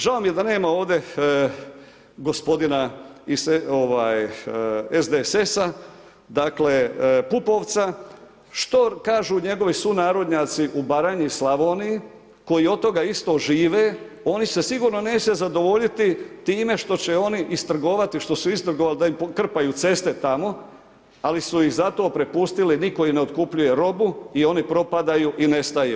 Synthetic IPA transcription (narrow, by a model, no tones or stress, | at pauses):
ʒao̞mijed̪ane̞ːmao̞ːʋd̪e̞ | ɡo̞spo̞d̪inaisoʋaːj | ezd̪esesa | d̪akle̞pupo̞ːʋt̪sa | ʃt̪o̞kaːʒuɲe̞ɡo̞ʋisunaːɾo̞d̪ɲaːt̪siʔubaɾaɲislaʋo̞ːni | ko̞jio̞d̪t̪o̞ɡaist̪o̞ːʒiːʋe̞ː | o̞nise̞siɡuːɾno̞ne̞ːse̞zad̪o̞ʋo̞ʎit̪it̪iːme̞ʃt̪o̞t͡ɕe̞o̞niʔist̪r̩ɡo̞ːʋat̪iʃt̪o̞suist̪r̩ɡoʋalid̪aimokr̩pajuːt̪se̞st̪e̞t̪amo̞ | alisujixzat̪o̞ːpɾepust̪iliniko̞ineo̞d̪kupʎuje̞ɾo̞buio̞nipɾo̞pad̪ajuːʔine̞st̪ajṵː